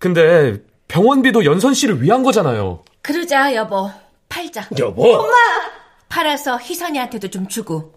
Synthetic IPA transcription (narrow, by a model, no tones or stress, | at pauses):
kɯnde̞ | pjʌŋwʌnbidojʌnsʰʌnɕ͈ʰiɾɯɭɥiɦanɡʌd͡ʑanajo̰ | kɯɾɯd͡ʑajʌbʌ | pʰaɭt͡ɕajʌboma | pʰaɾasʰʌçisʰaɲiantʰe̞dot͡ɕomt͡ɕuɡo